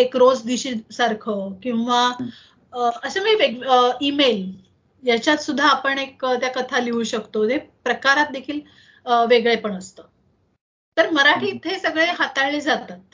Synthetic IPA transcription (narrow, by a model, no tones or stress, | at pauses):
ekɾod͡zd̪iɕiːsaɾkʰəkĩw̃ʋa | əsəmiːʋeɡimel | jat͡ɕjat̪sud̪ʱːaːpəɳekt̪jakət̪ʰaliuɕəkt̪oepɾəkaɾat̪̚d̪ekʰiːl | ʋeɡɭepəɳəst̪əː | t̪əɾməɾaʈʰiːt̪ʰːesəɡɭeɦat̪aɭled͡zat̪at̪̚